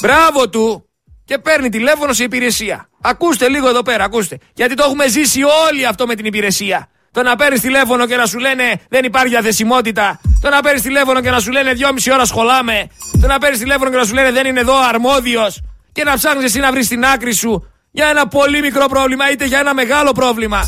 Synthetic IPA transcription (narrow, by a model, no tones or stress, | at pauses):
bɾɐvo̞t̪u | ce̞pe̞ɾnit̪ile̞fo̞no̞siipiɾe̞siɐ̰ː | kust̪e̞liɣoe̞ðo̞pe̞ɾɐːkust̪e̞ʝɐt̪it̪oexume̞zisio̞liɐft̪o̞me̞t̪inipiɾe̞siɐ | t̪o̞nɐpe̞ɾnist̪ile̞fo̞no̞ce̞nɐsule̞ne̞ðe̞nipɐɾçiɐθe̞simo̞t̪̬it̪ɐt̪o̞nɐpeɾnist̪ile̞fono̞ce̞nɐs̬ule̞ne̞ðʝo̞misio̞ɾɐsxo̞lɐme̞t̪o̞nɐpe̞ɾnist̪ile̞fo̞nocenɐs̬ule̞ne̞ðe̞nine̞ðo̞ɐɾmo̞ðio̞sce̞nɐpsɐɣnises̬inɐvɾist̪inɐkɾisu | ʝɐe̞nɐpo̞limikɾo̞pɾo̞vlimɐit̪e̞ʝɐe̞nɐme̞ɣɐlo̞pɾo̞vlimɐ